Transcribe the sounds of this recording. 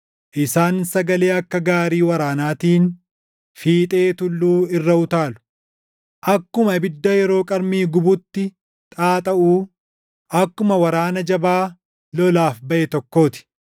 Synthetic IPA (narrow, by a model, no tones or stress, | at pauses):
ʔɪsaːnsɐɡɐle̞ːɐkːɐɡaːɾiːwɐɾaːnaːt̪iːn | fiːt̪ʼe̞ːt̪ʊlːuːɪrːɐʊt̪aːlʊ̥ | ʔɐkːʊmɐbɪd̪ːɐjɛɾo̞ːkʼɐɾmiːɡʊbʊt̪ːɪ | t̪ʼaːt̪ʼɐʔuː | ʔɐkːʊmɐwɐɾaːnɐd͡ʒɐbaː | lɔlaːfbɐʔɛt̪ɔkːo̞ːt̪ɪ̥